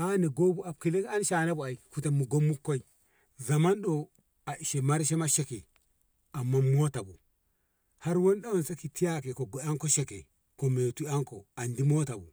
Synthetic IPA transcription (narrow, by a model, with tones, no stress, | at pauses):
a˦ne˨ɡo˦bu˦a˨b̚ki˨le˦ka˦nʃa˨na˦bu˨a˨i˨ku˨te˨mːu˨ɡo˦mːu˦kːo˦i˨ | za˨ma˦nɗo˨ | a˨i˨ʃe˨ma˦ɾʃe˦ma˦ʃe˦ke˨ | a˨mːaː˦o˦ta˨bu˨ | ha˦ɾwo˦nɗa˦wo˦nsa˦ki˨ti˦ja˦ke˨ko˨ɡo˨a˦ŋko˦ʃe˦kḛ˨ | ko˨me˨tu˦a˦ŋko̰˨a˨ndi˦mo˦ta˨bu˨